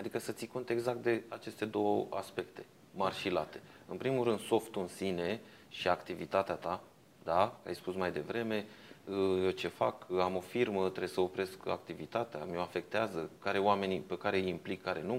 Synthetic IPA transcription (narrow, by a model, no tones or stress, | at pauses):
ad̪ikəsət̪siko̞nt̪e̞ɡzak̚t̪̚d̪e̞at͡ʃe̞st̪e̞d̪o̞wəa̰spe̞kt̪e̞̥ | marʃila̰t̪e̞̥ɨ̰npɾimulɾɨnd̪so̞ft̪uɨnsine̞ | ʃiakt̪ivit̪at̪eat̪a | d̪aka̰jspusmajd̪e̞vɾe̞me̞əjet͡ʃe̞fakamo̞firmət̪ɾejsəo̞pɾe̞ska̰kt̪ivit̪at̪ea̰mio̞afe̞k̚t̪eazəkaɾe̞oame̞nipekaɾe̞jimplikʰːaɾe̞nu